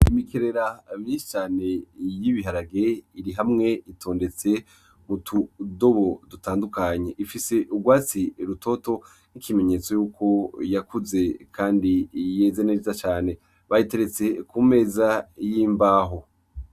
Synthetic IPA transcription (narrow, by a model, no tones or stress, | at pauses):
imikʰeɾe̞ɾamɲĩʃi̥t͡ʃaːne̞jiβiɦaɾaɡeiɾiɦamŋe̞itʰo̞ːnde̞t͡se̞ | mutʰudo̞βo̞dutaːndukaɲe̞ʔifise̞ʔuɡwaːt͡siɾutʰo̞to̞ | nikime̞ɲe̞t͡so̞juːkʰo̞jakuze̞kʰaːndije̞ːzenezat͡ʃaːne̞ | βahite̞ɾe̞t͡se̞kuːme̞ːzajiːmbaːɦo̞